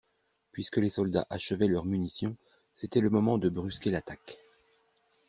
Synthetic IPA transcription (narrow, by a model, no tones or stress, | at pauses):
pɥiskəlesɔld̪a̰ʔaʃəvɛlœʁmynisjɔ̃ | set̪ɛləmɔmɑ̃d̪əbʁyskʲelat̪ak